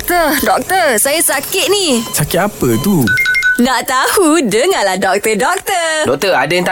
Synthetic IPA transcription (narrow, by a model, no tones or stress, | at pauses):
t̪ədɔk̚t̪əsajasakɪt̪̚nisakɪt̪apət̪unãʔt̪ahudəŋalahdɔk̚t̪ədɔk̚t̪ədɔk̚t̪əadaŋt̪a